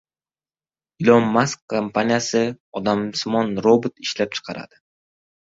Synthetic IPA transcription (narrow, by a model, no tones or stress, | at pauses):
ɪlˠɒmːaskʰːampanʲijasɪ | ɒd̪amsmɒnɾobɪt̪ɪʃlap̚t͡ʃʰɨ̥qʰɑɾa̰d̪̥ɪ